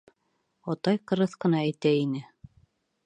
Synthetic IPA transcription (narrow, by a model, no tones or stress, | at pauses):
ɑt̪ɑjqɤ̆ɾɤθqɤ̆nɑæjt̪æinɘ